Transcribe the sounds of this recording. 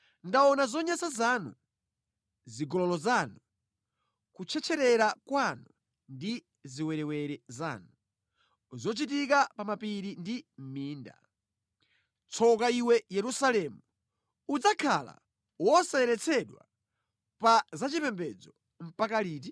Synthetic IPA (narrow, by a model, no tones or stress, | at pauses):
ndaɔnazɔɲasazanṵ | ziɡɔlɔlɔzanu | kut͡ʃʰɛt͡ʃʰɛɾɛɾakwanu | ndi | ziwɛɾɛwɛɾɛza̰ːnu | zɔt͡ʃitik̬apamapiɾindim̩miːnda̰ | t͡sʰɔkaiwɛjɛɾusalɛmu | ud͡zakʰa̰la̰ | wɔsaɛɾɛt͡sʰɛɗwa̰ | pazat͡ʃipɛmbɛd͡zɔ | m̩pakaliːt̬i